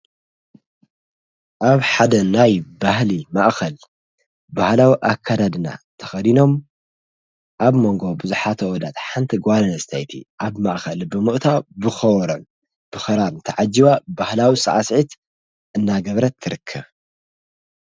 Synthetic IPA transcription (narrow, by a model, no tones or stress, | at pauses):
ʔaβħad̪ɐnajbahlimaʔxɐl | bahlawiʔakʰːad̪ad̪ɨna̰t̪ʰɐ̥xɐd̪ino̞m | ʔaβmo̞ŋɡo̞bɨzuħat̪ʰɐwɔd̪at̪ħant̪ʰiɡʷalɐnɐzɨt̪ʰajt̪ʰḭʔaβmaʔxɐlbɨmɨʔt̪ʰawbɨxɐwɔɾon | b̥ɨxɐɾaɾnt̪ʰɐʕad͡ʒːiβabahlawisʼɨʕasʕit̪ | ɨnːaɡɐβɾɐt̪ʰːɨɾɨkʰːɐβ